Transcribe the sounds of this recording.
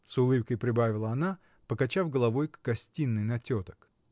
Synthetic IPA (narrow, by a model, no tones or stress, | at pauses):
sʊlˠɨpkəjpɾʲɪbavʲɪlˠəɐna | pəkɐt͡ɕafɡəlˠɐvo̞jkɡ̥ɐsʲtʲinːɨjnɐtʲot̪ə̥k